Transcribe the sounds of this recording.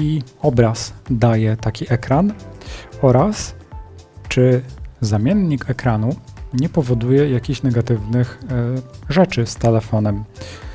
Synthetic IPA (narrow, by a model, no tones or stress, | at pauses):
iɔbɾasd̪ajɛt̪akʲiʔɛkɾan | ɔɾas | t͡ʂɘzamʲjɛnɲikɛkɾanuɲɛpɔvɔd̪ujɛjakʲiɕnɛɡat̪ɘvnɘx | ʐɛt͡ʂɘst̪ɛlɛfɔnɛm